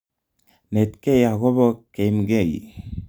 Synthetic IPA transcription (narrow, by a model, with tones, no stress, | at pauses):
netke˦jaɣo˦βo˦ke˨jmɡe˦˨j